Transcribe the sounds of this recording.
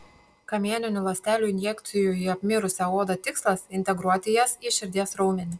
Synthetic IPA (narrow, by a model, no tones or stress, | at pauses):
kɐmʲiɛnʲɪnʲʊlˠɐsʲt̪ʲæːlʲuːɪnʲjɛkt̪sʲɪjʊiɐpʲmʲɪɾʊsʲɛoːd̪ɐt̪ʲɪkslˠɐsɪnʲt̪ʲɛɡɾuɔt̪ʲɪjɛsiʃʲɪɾʲd̪ʲiɛsɾɔʊmʲɛnʲɪ